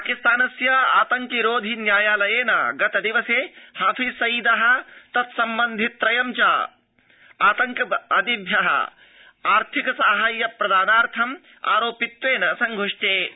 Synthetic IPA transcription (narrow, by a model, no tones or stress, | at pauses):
paːkist̪aːnɐsjɐa̰ːt̪ɐŋkiɾoːd̪ʱinjaːjaːlɐjeːnɐ̰ɡɐt̪ɐd̪iʋɐseːhaːfʰisɐjid̪ɐɦɐ̆t̪ɐt̪sɐmbɐnd̪ʱit̪ːɾɐjɐmt͡ʃaː | aːt̪ɐŋkɐɐd̪ibʱjɐɦɐ̰ | aːɾt̪ʰikɐsaːɦaːjːɐpɾɐd̪aːnaːɾt̪ʰɐm | a̰ːɾoːpit̪ʋeːnɐsɐŋɡʱoʂʈeː